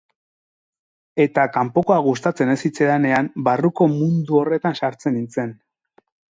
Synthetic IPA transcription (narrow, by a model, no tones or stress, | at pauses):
e̞t̪akampo̞ko̞aɣ̞ust̪at͡se̞ne̞sit͡se̞lane̞ambaruko̞mund̪uo̞re̞t̪ansaɾt͡se̞nint͡se̞n